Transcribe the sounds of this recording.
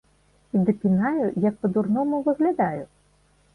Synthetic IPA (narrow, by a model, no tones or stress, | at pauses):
id̪ɪpʲinajʊjɐk̚pɔd̪urnɔmʊʋɪɣlʲad̪ɑjʊ